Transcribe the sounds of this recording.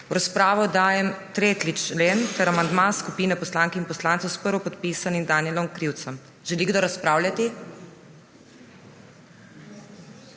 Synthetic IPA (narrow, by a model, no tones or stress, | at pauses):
wɾaspɾaːʋɔd̪aːjɛmt̪ɾeːt̪lit͡ʃleːnt̪ɛɾamand̪maskupiːnɛpɔslaːŋkɛinpɔslaːnt̪sɔwspəɾʋɔpɔt̪piːsanimd̪anjɛlɔmkɾiwt̪səm | ʒɛliɡd̪oɾaspɾaːwlʲjat̪i